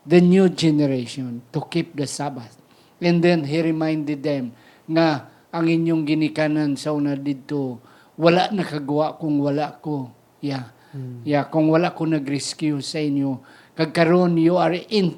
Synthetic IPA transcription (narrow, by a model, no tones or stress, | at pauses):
d̪ɐnjud͡ʒɛnɛɾeʃɔnt̪ʊkip̚d̪əsabaθ | ɛ̃nd̪ɛnɦɪɾɪmajnd̪ɪd̪ɛm | ŋa | ʔaŋɪnjʊŋɡɪnɪkanansaunad̪ɪd̪̚t̪o | walaʔnakaɡuaʔkʊŋwalaʔko | ja | jakʊŋwalaʔkonaɡɾɛskjʊsaɪnjo | kaɡ̚kaɾonjuaɹɪn